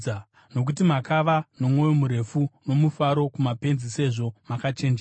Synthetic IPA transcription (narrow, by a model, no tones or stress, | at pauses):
a | no̞k̬ut̬imakaʋano̞mwo̞jomuɾe̞funo̞mufaɾo̞kumape̞nzise̞ʐo̞makat͡ʃe̞nd͡ʒe